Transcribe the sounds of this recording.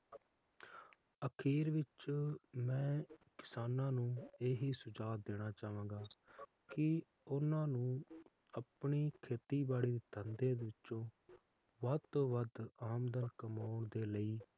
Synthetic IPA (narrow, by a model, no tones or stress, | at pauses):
əkʰiːɾʋɪt͡ʃmɛ̃ːkɪ̥saːnãːnũːeːɦiːsʊd͡ʒaːt̪̚d̪eːɽ̃aːt͡ʃaːʋãːɡaː | kɪ | ʊnãːnũː | əpɳiːkʰeːt̪iːbaːɽiːd̪iːt̪ʰənd̪ẽːd̪ʋɪt͡ʃõː | ʋət̪õːʋəd̪aːmd̪ənkəmaːʊɳd̪eːləiː